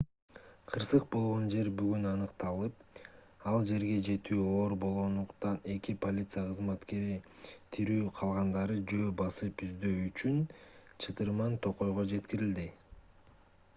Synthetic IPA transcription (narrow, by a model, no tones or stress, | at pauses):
qʰɯɾsɯq̚bo̞lˠʁo̞nd͡ʒe̞ɾbyɡynɑnɯqt̪ɑlˠɯp̚ | ɑlˠd͡ʒe̞ɾɡe̞d͡ʒe̞t̪yːo̞ːɾbo̞lˠʁo̞nd̪uqt̪ɑne̞kipo̞lʲit̪sɨjaqʰɯzmɑt̪ke̞ɾit̪ʰiɾyːqʰɑlˠʁɑnd̪ɑɾɯd͡ʒø̞ːbɑsɯpyzd̪øyt͡ʃynt͡ʃʰɯt̪ɯɾmɑnt̪ʰoqo̞jʁo̞d͡ʒe̞t̪kiɾild̪i